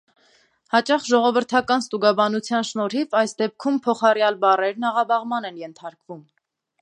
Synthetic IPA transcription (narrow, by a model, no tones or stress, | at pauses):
hɑt͡ʃɑχʒɔʁɔvəɾt̪ʰɑkɑnst̪uɡɑbɑnut͡sʰjɑnʃnɔɾivɑjsd̪ɛp̚kʰumpʰɔχɑrjɑlbɑrɛɾnɑʁɑbɑʁmɑnɛnjɛnt̪ʰɑɾkvum